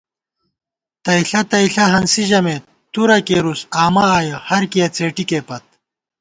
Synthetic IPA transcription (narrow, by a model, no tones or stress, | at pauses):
t̪ɐiɬɐt̪ɐiɬɐɦɐnsiʑɐmeːt̪ | t̪uɾɐkeɾusaːmɐaːjɐhɐɾkijɐt͡seːʈikeːpɐt̪̚